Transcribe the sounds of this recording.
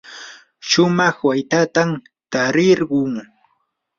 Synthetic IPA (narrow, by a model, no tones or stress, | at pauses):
ʃʊmɑχwajt̪at̪am | t̪aɾɪɾɢʊŋ